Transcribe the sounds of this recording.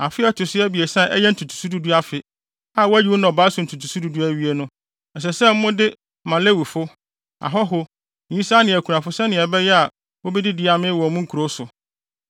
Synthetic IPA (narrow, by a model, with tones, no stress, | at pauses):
a˨fɪ˦ɛ˦tʰʊ˨sɪ˦ɛ˦bi˨e˨sã˦ʔɛ̰˦jɛ˦n̩˦tʰu˨tʰu̥˨su˦du˦du˦a˦fɪ˨ | a˦˨wæ˦ji˨wo˦nã˨ɔ˨baː˦sʊ̃˨n̩˨tʰu˨tʰu˨su˦du˨du˦æ˦ɥi˦e˦nʊ̃˦ | ɛ˨s̬ɛ˨sɛ˦m̩˦mʊ̃˦dɪ˦ | mã˨le˦wi˨fʊ˦ | a̰˨ɦɔ˦ɦʊ̃˦˨ | ɲĩ˦sa˦nɪ̃˨æ˨kʰu˨ɾã˨fʊ˦sɛ˦nɪ̃˨ɛ˨bɛ˦jɛ˦a˨ | wo˦bɛ˦dɪ˦dɪ˨˦˨a˨mɪ̃˦wɔ˨˦mʊ̃˦ŋ̩˦kʰu˨ɾo˦sʊ˨